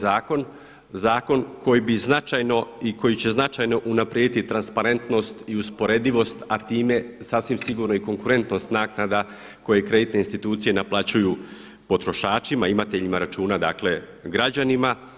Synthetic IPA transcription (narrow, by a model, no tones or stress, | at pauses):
zaːko̞n | zaːko̞nkʰo̞jibiznat͡ʃajno̞iko̞jit͡ɕe̞znat͡ʃajno̞ʔunapɾed̪it̪it̪ɾanspaɾe̞nt̪no̞st̪iuspo̞ɾe̞d̪iʋo̞st̪at̪iːme̞saːsʋimsiɡuːɾno̞iko̞ŋkuɾe̞nt̪no̞st̪naːknad̪a | ko̞jekɾe̞d̪it̪ne̞inst̪it̪uːt̪sije̞naplˠat͡ɕuju | po̞t̪ɾo̞ʃaːt͡ʃimaimat̪e̞ʎimaɾat͡ʃuːnad̪aːkle̞ | ɡɾad͡ʑanima